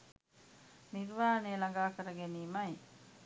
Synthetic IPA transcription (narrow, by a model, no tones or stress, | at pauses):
nirʋaːɦneəlaŋɡaːkəɾəɡeniːmɐj